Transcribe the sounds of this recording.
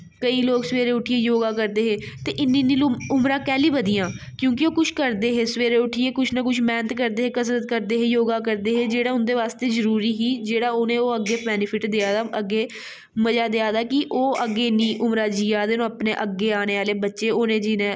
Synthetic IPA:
kəiːloːɡsʋeːɾeːʊʈʰieːjoːɡãːk̬əɾd̪eːɦeːt̪eːʔɪnːĩːnĩːlʊmɾãːkɛːliːbəd̪ijãː | kjũːkɪoːkʊt͡ʃʰkəɾd̪eːɦeːsəʋeːɾeːʊʈʰieːkʊt͡ʃʰnəkʊt͡ʃʰmɛ̃ːnət̪kəɾd̪eːɦeːkəsɾət̪kəɾd̪eːɦeːjoːɡaːk̬əɾd̪eːɦeːd͡ʒeːɽaːʊnd̪eːʋaːst̪eːzəɾuːɾiːɦiːd͡ʒeːɽaːoːnẽːoːəɡːeːpɛːnɪpʰɪʈd̪eaːd̪aːʔəɡːeː | məd͡ʒaːd̪eaːd̪aːkɪʔoːʔəɡeːnĩːʔʊmɾaːd͡ʒiːaːd̪eːnõəpneːʔəɡːeːaːɽ̃eːʋaːleːbətːʃeːoːnẽːd͡ʒɪnẽː

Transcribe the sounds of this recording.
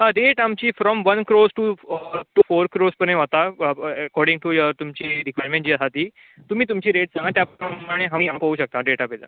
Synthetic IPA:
aɾeʈamt͡ɕiːfɾɔmʋənkɾosʈuʈufoɾkɾospənẽɦat̪aɛkɔɾɖiŋɡʈujat̪umt͡ɕiːɾikʋajɾmẽɳʈ̚d͡ʑiːasat̪iː | t̪um̤iːt̪̬umt͡ɕiːɾeʈ̚sãŋɡat̪japamaɽ̃eɦamiːapəɦuːɕək̚t̪aɖeʈabela̰

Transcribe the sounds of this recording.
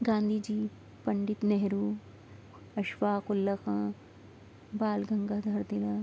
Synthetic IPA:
ɡãːnd̪ʱiːd͡ʒiː | pɐɳɖit̪neɦɾuː | ɐʃʋaːkʊlːɐkãː | baːlɡʱɐŋɡad̪ʱɐɾd̪ilɐ

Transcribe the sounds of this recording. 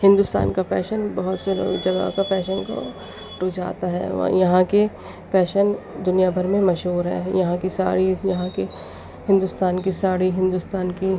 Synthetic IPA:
hɪ̃nd̪ust̪a̰ːnkapɛ̰ːʃənbɐɦʊt̪sed͡ʒɐɡa̰kapɛːʃənko̰ | ɾʊd͡ʒa̰ːt̪aɦɛ̰ːʋ̰jɐɦãke | pɛːʃənd̪ʊnijabʱɐɾmẽmɐʃɦuːɾɦɛ̰ːjɐɦãkisa̰ːɽijɐɦãke | hɪ̃nd̪ʊst̪aːnkisaːɽiɦɪ̃nd̪ʊst̪aːnki

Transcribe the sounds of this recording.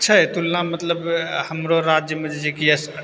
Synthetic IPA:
tːt͡ʃʰət̪ulnamət̪ləbhəmɾoɾad͡ʒjəmed͡ʒed͡ʒekijəs

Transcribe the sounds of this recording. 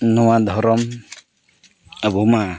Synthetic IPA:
nɔwad̪ʱɔɾɔm | abuma

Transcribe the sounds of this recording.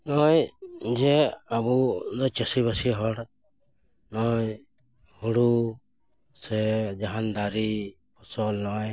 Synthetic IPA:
nɔjd͡ʒɛabunɔjt͡ʃəsibəsiɦɔɽ | nɔj | huɽu | sɛd͡ʒaɦand̪aɾi | pʰɔsɔlnɔj

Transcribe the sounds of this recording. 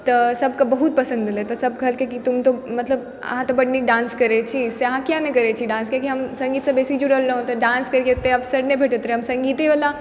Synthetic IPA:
t̪ɐsɐbkabɐɦut̪̚pɐsə̃nd̪let̪ɐsɐb̚kɐlkekit̪umt̪omɐt̪ləb | ɐ̰ɦãt̪obɐɖnik̚ɖãːnskɐɾet͡ʃʰiseɐɦãkjanekɐɾet͡ʃʰiɖãːnskakiɦɐmsɐ̃ŋɡiːt̪sabeːsid͡ʒuɾɐɦlləɦõt̪ɐɖãːnskɐɾket̪eɐfsəɾnẽbʱeːʈət̪ɾeɦɐmsɐ̃ŋɡiːt̪eʋɐla

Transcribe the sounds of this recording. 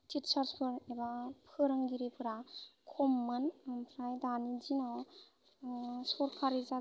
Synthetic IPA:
tʰitsaɾspʰɯɾebapʰɯɾɯŋɡiɾepʰɯɾakʰɔmːɯnmpʰɾajdanid͡ʒinaw | sɔɾkʰaɾiza

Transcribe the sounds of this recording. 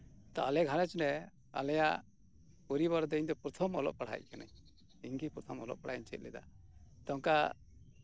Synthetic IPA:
t̪ɔalɛɡʱanɛt͡ʃnɛ | a̰lɛjaʔ | ɔɾiβɔɾd̪ɔiɲd̪ɔpɾɔt̪ʰɔmɔ̰lɔ̰ʔ̚paɽ̤a̰c̚ˀkana | iŋɡipɾɔt̪ʰɔmɔlɔ̰ʔ̚paɽ̤ajiɲt͡ʃɛ̰t̪̚lʔɛd̪a̰ | t̪ɔŋka

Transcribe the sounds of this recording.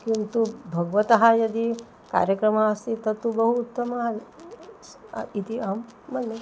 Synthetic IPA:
kint̪ubʱɐɡʋɐt̪ɐɦɐjɐd̪i | ka̰ːɾjɐkɾɐmaɐst̪it̪ɐt̪ːubɐɦuːt̪ːɐmɐ | it̪iaːmːɐnːe

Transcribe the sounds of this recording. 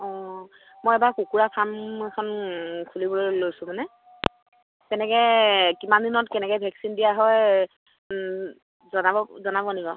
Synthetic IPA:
ɔ̃ | mojɛbakukuɹapʰamɛkʰɔnkʰulibɔlojsʊ̃manɛ | tɛnɛkɛkimandinɔtkɛnɛkɔjbʱɛksindijaɦɔj | zɔnaɔzɔnabɔniɡɔ

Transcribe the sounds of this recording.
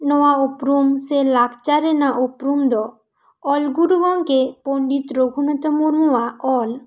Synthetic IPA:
nɔaopɾumselakʰt͡ɕaɾenaʔopɾumd̪ɔ | ɔlɡuɾubɔŋkepoɳɖit̪ɾoɡʱunɔt̪omuɾmuwaɔl

